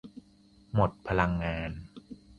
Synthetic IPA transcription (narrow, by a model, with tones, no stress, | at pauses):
mo˨˩t̪̚pʰa˧la˧ŋːaː˧n